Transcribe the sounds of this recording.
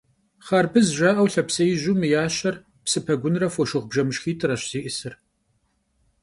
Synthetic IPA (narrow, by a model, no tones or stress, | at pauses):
χaːrbɨzʒʷaːʔɐwɬɐpsɐjʑʊmɨjaːɕɐr | psɨpʰɐɡʷʊnrɐfʷɔʃɪʁbʒɐmɨʃxiːtʰɨɾɐɕz̥iːʔɨsɨr